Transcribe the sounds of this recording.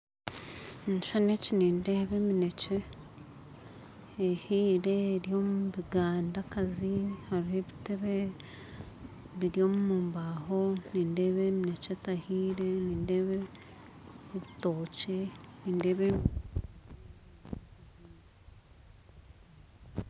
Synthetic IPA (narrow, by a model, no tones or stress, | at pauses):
niʃaneciniːnde̞βemine̞ce | hiːɾe̞ɾjo̞muβiɡaːndakazihaɾiheβite̞βe | βiɾjo̞ːmumuːmbaho̞niːnde̞βemiinecetahiːɾe̞niːndeːβe | βitoːceniːndeβe